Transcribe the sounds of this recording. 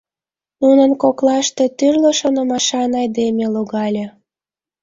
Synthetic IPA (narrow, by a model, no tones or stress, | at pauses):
nunənkoklɑʃt̪e̽t̪yrləʃonəmɑʃɑnɑjd̪emeluɣɑlʲe